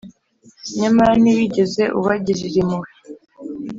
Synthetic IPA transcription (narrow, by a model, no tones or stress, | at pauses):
ɲamaɾaniwiɟeze̞ʔuβaɟiɾiɾimuwi